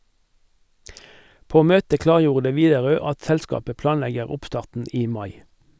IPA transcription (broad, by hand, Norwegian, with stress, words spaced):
ˈpoː ˈmøːtə ˈklɑːʁˌjuːʁdə ˈʋiːdɛˌʁøː ˈɑt ˈsɛlˌskɑːpə ˈplɑːnˌlɛɡəʁ ˈʊpˌstɑːʁtn̩ ˈiː ˈmɑɪ